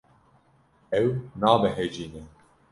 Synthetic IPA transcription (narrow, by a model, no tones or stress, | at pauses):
ɛwnaːbɛɦed͡ʒiːnɛ